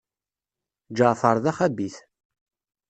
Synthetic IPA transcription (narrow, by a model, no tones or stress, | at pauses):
d͡ʒəʁfəɾˤðæχæbiθ